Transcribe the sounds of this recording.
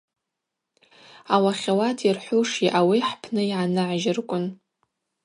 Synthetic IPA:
awaχʲawatʰirħʷʊʂiʔawiħpʰnɨjʕanɨʕʒɪrkʷʼʊn

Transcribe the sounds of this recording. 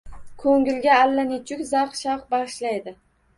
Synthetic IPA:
kʰɵŋɡʲɪlɡʲaːlːanɪt͡ʃʰʊkʲzɑqʃɑqbɑʁɨʃlajd̪ɪ

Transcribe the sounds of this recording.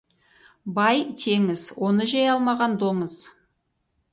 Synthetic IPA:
bɑjt̪ʰe̞ŋɪzwo̞nəʒɑjɑlˠmɑʁɑnd̪o̞ɴəz

